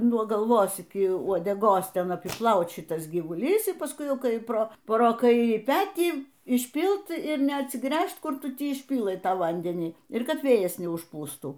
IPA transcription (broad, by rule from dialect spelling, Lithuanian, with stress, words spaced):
nuɔ ɡɐlˠˈʋoːs ɪkʲɪ uɔdʲɛˈɡoːs ˈtʲɛn ɐpʲɪˈplˠɐʊt ˈʃʲɪtɐs ɡʲiːʋʊˈlʲiːs iː pɐsˈkʊɪ ˈkɐɪ ˈproː proː ˈkɐɪrʲiː ˈpʲæːtʲiː ɪʃʲˈpʲiːlˠt ɪr nʲɛɐtʲsʲɪˈɡrʲæːʃt ˈkʊr ˈtʊ ˈtʲɪ ɪʃʲˈpʲiːlˠɘ ˈtɑː ˈʋɐnʲdʲɛnʲiː ɪr ˈkɐt ˈʋʲeːjɛs nʲɛʊʃˈpuːstuː